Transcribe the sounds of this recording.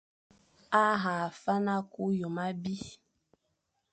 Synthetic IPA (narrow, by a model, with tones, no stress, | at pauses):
a˦ɦa˨fa˦na˦ku˦jo˨ma˦bi˦